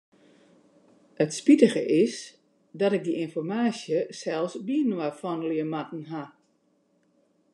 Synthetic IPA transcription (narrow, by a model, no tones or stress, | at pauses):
ətspitəɣəʔɪs | dɔtɪk̚diʔɪnfɔrmaːsjəsɛlˠsbiənwafɔnliəmatn̩ɦa